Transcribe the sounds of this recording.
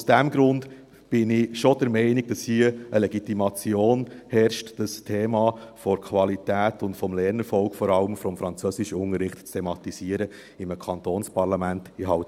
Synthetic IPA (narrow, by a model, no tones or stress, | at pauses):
ʊsd̥æmɡɾʊnd | b̥ɪnɪʃod̥əɾmɛɪnɪɡ̥̚d̥ɑshiəəlɛɡitimɑt͡sjoːnhɛɾʃtd̥əstʰeːmɑfɔɾkʰʋɑlitæːtʊntfɔmlɛɾnəɾfɔlkfɔɾɑləmfɔmfɾɑnt͡søsɪʃəʊŋəɾɪχtt͡stʰemɑtisiːəɾə | ɪmkʰɑntoːnspɑɾlɑmæntɪɦɑʊt